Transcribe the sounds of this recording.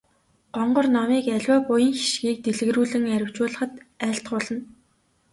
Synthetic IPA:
ɢ̥ɔɴɢɞ̆rnamiːkæɮʲwæːpʊjə̆ŋxi̥ʃɡiːk̚t̪eɮɘ̆ɣruːɮɘ̆ŋæɾʲɪ̆w̥t͡ɕʊːɮə̆χə̆t̪æːɬt̪χʊːɮə̆n

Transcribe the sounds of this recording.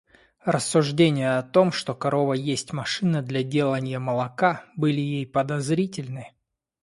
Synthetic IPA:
rəsːʊʐdʲenʲɪjəɐt̪o̞mʂt̪o̞kɐɾʔo̞vəjesʲtʲmɐʂɨnəd̪lʲɐdʲe̞lˠənʲɪjəməlˠɐkabɨlʲɪjejpəd̪ɐzɾʲitʲɪlʲnɨ

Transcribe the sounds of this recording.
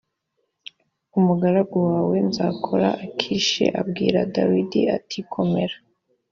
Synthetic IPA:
umuɡaɾaɡowaːwe̞nzakʰoɾa̰ʔːkʰiʃḛʔabɡiːɾadawidiatʰikʰo̞me̞ɾa

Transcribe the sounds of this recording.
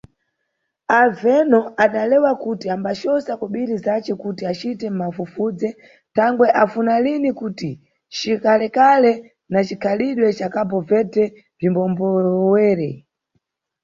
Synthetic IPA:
avɛnɔaɗalɛwakutiambaʃɔsakɔɓiɾizat͡ʃɛkutiat͡ʃitɛm̩mafufud͡zɛ | tʰaŋɡwɛʔafunalinikuti | t͡ʃikalɛkalɛ | nat͡ʃikʰaliɗwɛt͡ʃakabɔvɛtʰɛ | vimbɔmbɔwɛːɾɛ

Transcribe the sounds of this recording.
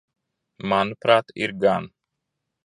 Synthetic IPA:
manpʰɾat̪ḭɾɡan

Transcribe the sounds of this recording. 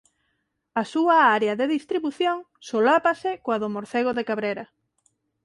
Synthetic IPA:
asuaaɾeɐðeðist̪ɾiβuθjoŋ | solapasɪkoaðomoɾθeɣoðekaβɾeɾɐ

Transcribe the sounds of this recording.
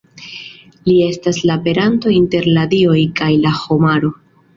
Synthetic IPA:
lie̞staslape̞ɾanto̞inte̞ɾladio̞jkajlaho̞maɾo̞

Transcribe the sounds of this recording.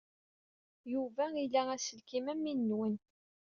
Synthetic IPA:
juvæilææsəlkimæmːinːwən

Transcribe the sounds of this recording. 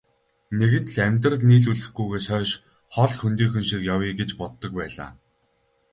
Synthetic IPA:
neɣɘ̆nt̪ɮæmʲt̪̬rə̆k̪niːɮuɮɘ̆xɡujɣeːsœːʃ | χɔɮxɵnt̪iːxɵ̆nʃikjawiːɡet͡ɕpɔt̪ːɞ̆k̚pæːɮa̰ː

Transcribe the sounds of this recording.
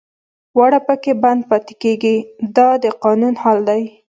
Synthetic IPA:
waɽapəkeband̪̚pɑt̪e̥keɡid̪ɑd̪əqɑnunhɑld̪aj

